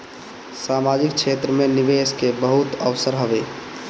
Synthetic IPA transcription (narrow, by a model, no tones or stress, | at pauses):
saːmad͡ʒik̚kt͡ʃʰeːt̪ɾəmeniʋeskebəɦut̪əʋsəɾɦəʋeː